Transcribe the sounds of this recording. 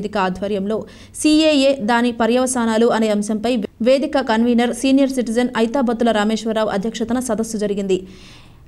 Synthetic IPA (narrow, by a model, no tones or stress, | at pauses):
d̪ikɐaːd̪ʱʋɐɾjɐmlo̞ː | siːeːjeːd̪aːnipɐɾjɐʋɐsaːnaːluɐne̞ːɐmsɐmpɐjʋe̞ːd̪ikɐkɐnʋiːnɐɾsiːnijɐɾsiʈid͡ʒɐnɐjt̪aːbɐt̪ːulɐɾaːme̞ːʃʋɐɾaːʋɐ̰d̪ʱjɐkʂɐt̪ɐnɐsɐd̪ɐsːud͡ʒɐɾiɡind̪i